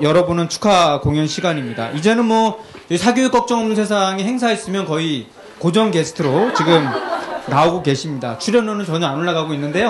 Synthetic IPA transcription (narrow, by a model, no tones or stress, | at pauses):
jʌɾʌbonɯnt͡ɕʰu̥kʰakoŋjʌnɕʰiɡaɲimɲida̰ʔid͡ʑe̞nɯnmwʌ | sʰaɡjoek͈ʌk̚t͡ɕ͈ʌŋʌmnɯnsʰe̞sʰaŋehe̞ŋs̬ʰais͈ɯmjʌnkʌi | kod͡ʑʌŋɡe̞sʰɯ̥tʰɯɾot͡ɕiɡɯmnaoɡoke̞ɕʰimɲida̰t͡ɕʰuɾjʌnonɯnt͡ɕʌɲʌanoɭːaɡaɡoinːɯnde̞jo